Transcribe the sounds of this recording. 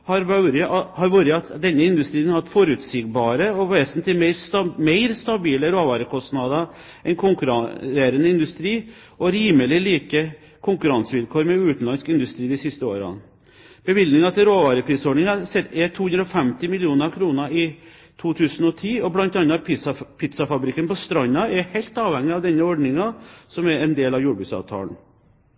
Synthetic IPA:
hɑɾʋɑʉɾɪʔɑhɑɾʋuːɾɪɑt̪d̪ɛnːəɪnd̪ʉst̪ɾiːnhɑʋɑt̪fɔɾʉt̪sɪɡbɑːɾəɔʋeːsnt̪ʰɪmɛɪmeɪɾst̪ɑbiːləɾoːʋɑːɾəkʰɔst̪nɑd̪ɑ | ʔɛnkʰʊŋkʉɾɑɾeːɾənəɪnd̪ʉst̪ɾiː | ʔɔɾiːməlɪliːkə | kʰʊŋkʉɾɑnsəʋɪlkʰoːɾmɛʉːt̪n̩lɑnskɪnd̪ʉst̪ɾiːd̪ɪsɪst̪əo̰ːɾ̰ | b̥əʋɪld̪nɪŋɑt̪ʰɪlɾoːʋɑːɾəpʰɾiːsɔɖɳɪŋɑsɛt̪ɛt̪ʰːuːʉnd̪ɾɔfɛmt̪ɪmɪlɪuːnəɾkʰɾuːnəɪ | t̪ʰuːt̪ʰʉːsn̩ɔt̪ʰiːɔblɑnt̪ɑnːɑpʰɪt̪sɑfɑbɾɪkːənpɔst̪ɾɑnːɑɛɾhæɪlt̪ɑːʋhɛŋːɪɑʋd̪ɛnːəɔɖnɪŋɑsɔmɛɾɛnd̪eːlɑʋjuːɖbʉt̪sɑ̰ʋt̪ʰɑ̰ːln̩

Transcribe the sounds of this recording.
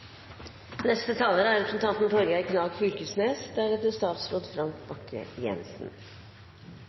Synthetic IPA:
nɛst̪ət̪ʰɑːləɾəæɾɛpɾsn̩t̪ʰɑnt̪n̩fʰɔɾɡæɪkʰnɑːɡfʉɾkʉsneːsd̪æɖɛt̪əst̪ɑːt̪sɾoːd̪fɾɑmtbɑkʰə̰jɛ̰nsn̩

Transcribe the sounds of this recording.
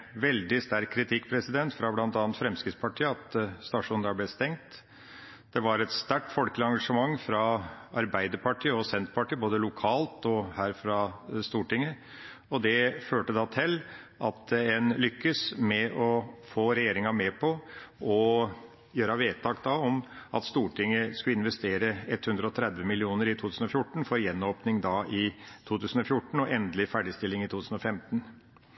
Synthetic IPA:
ʋɛld̪ɪst̪æɾkʰːɾɪt̪ʰɪkːpʰɾɛsɪd̪ɛnt̪fɾɑblɑnt̪ɑːnnt̪fɾɛmskɾɪt̪spʰɑʈʰiːəɑt̪st̪ɑʂuːnæblɛst̪ɛŋt̪ | d̪̥ɛʋɑɾɛt̪st̪æʈfɔlkəlɪɑŋɡɑʂəmɑŋːfɾɑɑɾbæɪd̪əɾpʰɑʈʰiːəɔsɛnt̪pɑʈiːəboːd̪əlʊkʰɑːlt̪ɔhæːɾfɾɑst̪uːʈɪŋːə | ɔd̪ɛføːʈəd̪ɑt̪ʰɛlː | ʔɑt̪ɛnlʏkːəsmɛʔɔfoːɾɛjeːɾɪŋɑmɛpʰɔʔɔ | jøːɾɑʋeːt̪ːɑːkd̪ɑɔmʔɑ̰t̪st̪uːʈɪŋːəskʉɪnʋɛst̪eːɾəɛt̪hʉnd̪ɾəɔt̪ʰɾɛd̪ʋəmɪlɪuːnəɾɪt̪ʰuːt̪ʉːsn̩ɔfjʊʈːɳ̩fɔɾjɛnːoːpnɪŋd̪ɑʔɪt̪ʰuːt̪ʰʉːsən̩ɔfjʊʈːɳ̩ɔʔɛnd̪lɪfæɖɪst̪ɪlːɪŋɪt̪uːt̪ʉːsn̩ɔfɛmt̪n̩

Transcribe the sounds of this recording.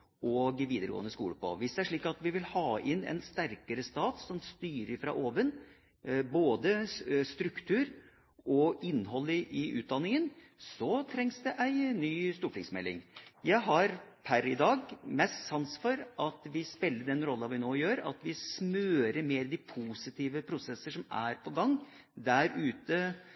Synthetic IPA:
ɔɡʋiːd̪əɾəɡo̰ːənəskṵːləpʰɔ̰ʋɪsd̪ɛæʂɭiːkɑt̪ʋɪʋɪlhɑːʔɪnɛ̰nst̪æɾkəɾəst̪ɑːt̪sɔmst̪yːɾəɾfɾɑ̰ʔoːʋən | boːd̪əst̪ɾʉkt̪ʰʉːɾ | ɔɪnːɦɔlːəʔɪʔʉ̰ːt̪̚d̪ɑnːɪŋən | sɔt̪ʰɾɛŋsd̪ɛʔæɪnyːst̪uːplɪŋsmɛlːɪ̰ŋjæɪɦɑɾpʰæɾɪd̪ɑːɡmɛst̪sɑnsfɔɾʔɑt̪ʋɪspɪlːəɖ̪ɛnɾɔlːɑʋɪnoːjøːɾɑ̰t̪ʋɪsmøːɾəmeːɾd̪ɪpʰuːsɪt̪ʰiːʋəpʰɾʊsɛsːəʂɔmæ̰ɾpʰɔɡɑŋː | d̪æɾʉːt̪ə

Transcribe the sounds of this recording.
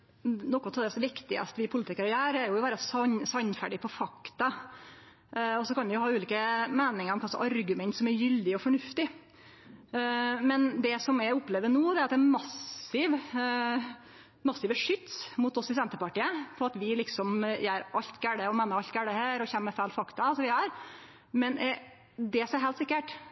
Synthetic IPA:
nɔkːɔt̪ʰɔd̪ɛsʋɪkt̪ɪə̰st̪ʋɪpʰʊlɪt̪ɪkəɾɔjæːɾɛɾjʊʋæːɾəsɑsɑnfæɖɪpʰɔfɑkt̪ɑ | ɔsɔkɑnʋɪjʊhɑːʉːliːkəmeːnɪŋəɾɔmkʰɑlsɔʔɑɾɡʉmɛnt̪sɔmɛɾjʏld̪ɪɔfɔɳʉft̪ɪ | mɛnd̪ɛsɔmɛʊpːleːʋənuːd̪ɛɑɾɑt̪d̪ɛnmɑsɪʋ | mɑsːɪʋəʂʏt̪smʊt̪ɔsɪsɛnt̪əpɑʈiːəfɔɾɑt̪ʋɪlɪksɔmjæɾʔɑʎt̪ɡæɽəɔmɛːnəɾɑlt̪ɡæɽəhæːɾɔçɛnməfæːlfɑkt̪ɑɑlsɔʋɪæɾ | mɛnɛ | d̪ɛsɔmɛɦɛlsɪkːəʈ

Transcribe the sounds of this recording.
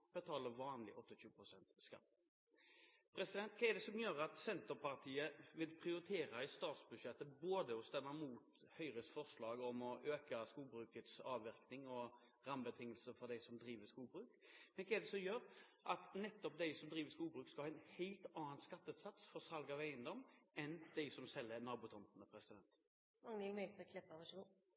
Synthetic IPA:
b̥ət̪ʰɑːləʋɑːnlɪ̰ʔɔt̪ːɪɕʉːəpɾʊsɛnt̪skɑ̰t̪ː | pʰɾɛsɪd̪ɛnt̪̚kʰɑːɛd̪ɛsɔmjøːɾəɑt̪sɛnt̪əɾpɑʁt̪ʰiːəʋɪlpʰɾɪʊɾɪt̪ʰeːɾɑɪst̪ɑːt̪sbʉʂɛt̪ːəboːd̪əɔst̪ɛmːəmuːt̪ | hœʏɾəsfɔʁslɑːɡɔmɔʔøːkɑskuːlbɾʉːkət̪sɑːʋʋɪʁknɪŋɔ | ʁɑmbət̪ʰɪŋːəlsəfɔɾd̪æɪsɔmd̪ɾiːʋəskuːlbɾʉːkmɛnkʰɛd̪ɛsɔmjøːɾʔɑt̪nɛt̪ːɔp̚d̪æɪsɔmd̪ɾiːʋəskuːlbɾʉːkskɑhɑːɪnhɛɪlt̪ɑːɑnskɑt̪ːəʉt̪sɑt̪sfɔɾsɑlɡɑʋæɪənd̪ɔmːɛnd̪̥ɛɪsɔmsɛlːəɾnɑːbuːt̪ʰɔnt̪nəpʰɾɛsɪd̪ɛnt̪ | mɑŋnɪlmœɛkʰlɛpɑʋɑʃɡu

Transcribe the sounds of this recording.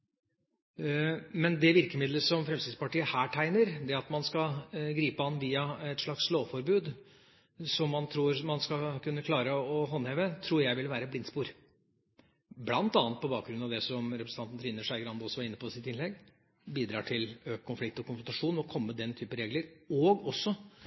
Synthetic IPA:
mɛnd̪ɛʋɪɾkəmɪd̪ləsɔmfɾɛmsɪːd̪spɑʈiːəhæːʈʰæɪnəɾd̪ɛɑt̪mɑnskɑɡɾiːpəɑnːʋiːɑɛt̪ʂlɑksloːfɔɾbʉːd̪ | sɔmːɑnt̪ʰɾuːɾmɑnskɑkʰʉnːəkʰlɑːɾəɔɦɔnheːʋət̪ʰɾuːɾjæɪʋɪlʋæːɾəblɪnspuːɾ | blɑnt̪ɑːnət̪̚pʰɔbɑːk̚ɡɾʉnɑʋd̪ɛsɔmɾɛpɾəsn̩ʰɑnt̪nt̪ʰɾɪːnəʂæɪɡəɾɑnd̪ɔsːɔʋɑɾɪnːəpʰɔsɪt̪ɪnlɛɡ | biːd̪ɾɑːʈʰɪløːkkʰːʊnflɪk̚t̪ɔkʰʊnfɾʊnt̪ɑʂuːnɔɔkʰɔmːəd̪ɛnt̪ʰyːpəɾeːɡləɾɔɡɔsːɔ

